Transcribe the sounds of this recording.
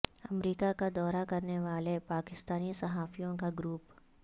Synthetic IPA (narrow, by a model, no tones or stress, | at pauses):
ɐmɾiːkakad̪ɔːɾakɐɾneʋaːlepaːkɪst̪aːnisɐɦaːfijõkaɡɾuːp